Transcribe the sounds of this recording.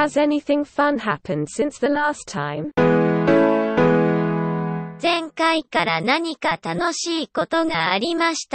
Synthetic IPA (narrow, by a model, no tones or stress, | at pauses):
əzɛnɪθɪ̃ŋfʌ̃nɦapʰə̃nd̥sɪ̃nsðəlaˑstʰã̰ɪ̃m | d͡zẽ̞ŋkaikaɾanaɲ̟ikat̪ano̞ɕiːko̞t̪o̞ɡaːɾʲimaɕi̥t̪a